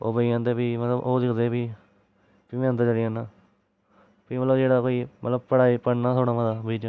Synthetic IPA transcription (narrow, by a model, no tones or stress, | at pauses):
o̰ːbəiãːnd̪eːpiːmət̪ləbʔoːsɪkd̪eːpiː | piːẽːə̃nd̪aːd͡ʒəɾiãnãː | piːmət̪ləbd͡ʒeːɽaːkoːiːmə̰t̪ləbpəɽaːiːpəɽnaːt̪ʰoːɽaːmad̪aːbiːd͡ʒə